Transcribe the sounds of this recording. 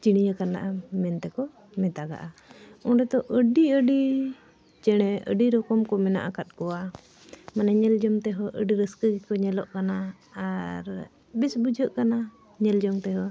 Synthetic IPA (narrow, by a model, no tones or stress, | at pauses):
t͡ʃiɽ̃ijəkana̰ʔamɛnt̪ɛkɔ | mɛ̃t̪aɡa̰ʔaɔ̃ɾɛt̪ɔʔəɖiəɖi | t͡ʃɛɽ̃ɛə̰ɖiɾɔkɔmkɔmɛna̰ʔakat̪̚kɔwa | manaɲɛld͡ʒɔmt̪ɛɦɔʔəɖiɾəskəɡikɔɲɛlɔʔkanaː | ɾ | bisbud͡ʒʱəʔkana | ɲɛld͡ʒɔŋt̪ɛɦɔ